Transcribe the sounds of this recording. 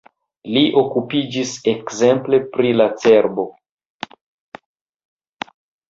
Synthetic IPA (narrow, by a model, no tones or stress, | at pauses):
liʔo̞kupid͡ʒise̞kze̞mple̞pɾilat͡se̞ɾbo̞